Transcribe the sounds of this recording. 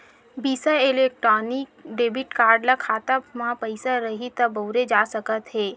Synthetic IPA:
bisaelek̚ʈɾɔːnikɖeːbiʈkaːɾɖlakʰaːt̪amãpəɪsaɾəɦit̪ɐbəwɾed͡ʒasəkət̪ɦeː

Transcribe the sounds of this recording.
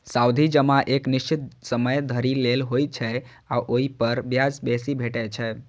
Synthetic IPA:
sawd̪ʱid͡ʒəmãʔekniʃt͡ʃit̪̚səməjd̪ʱəɾilelɦojt͡ʃʰɛ | aʔoɦipəɾbjad͡ʒbesibʱeʈɛt͡ʃʰɛ

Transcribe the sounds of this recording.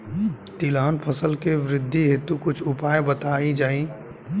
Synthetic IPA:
t̪ɪlaːnpʰəsəlkeʋɾɪd̪ʱːiɦet̪ukʊt͡ʃʰʊpaːjbət̪aːid͡ʒaːĩ

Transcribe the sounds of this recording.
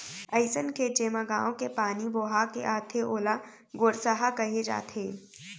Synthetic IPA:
əɪsənket͡ʃeːmaɡaːõkepaːniboːɦakeʔaːt̪ʰeʔoːla | ɡoːɾsaɦakɐɦed͡ʒa̰ːt̪ʰeː

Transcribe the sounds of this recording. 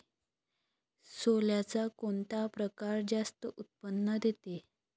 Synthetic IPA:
soljat͡sakoɳt̪apɾəkaɾd͡zast̪əʔut̪̚pənːəd̪ʱet̪e

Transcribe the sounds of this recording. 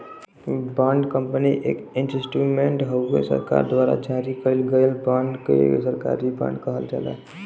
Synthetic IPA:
bãɳɖkəmpəniʔḛːkinʈɾesʈiɡmẽɳʈɦəɡḛsə̰ɾka̰ɾd̪waɾa̰d͡ʒaɾikəɾilɡəelbãɳɖkḛsəɾka̰ɾibã̰ɳɖkəɦəld͡ʒa̰la̰ɦ

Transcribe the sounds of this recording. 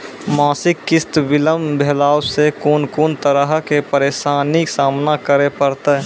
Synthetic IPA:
maːsɪkːɪst̪bɪləmbʱeːlaːwsekoːnkoːnt̪əɾəɦkepəɾeːʃaːnɪksaːmnakəɾepəɾt̪eɦ

